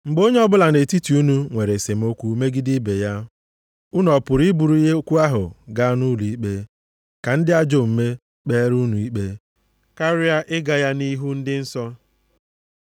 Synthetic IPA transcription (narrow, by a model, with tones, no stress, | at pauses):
ŋ͡m̩˨ɡ͡bo˦ɲe˦ɔ˦bʊ˦la˨ne˨ti˦ti˨u˦nu˦ŋʷe˨ɾe˨se˨m̩˦o˦kʷu˦me˦ɡɪ˦di˦be˨ja˦ | u˦n˦ɔ˨pʊ˨ɾi˦bu˨ɾu˦i˦ɦe˦o˦kʷu˦a˦ɦʊ˨ɡa˦nu˦lu˨i˦k͡pe˦ | ka˨n̩˦dɪ˦a˦d͡ʒo˨m̩˨me˦ | k͡peː˦ɾu˦nu˨i˦k͡pe˦ | ka˦ɾɪ˦a˦ʔɪ˦ɡa˨ja˦ni˦ɦu˦n̩˦dɪ˦n̩˦sɔ˦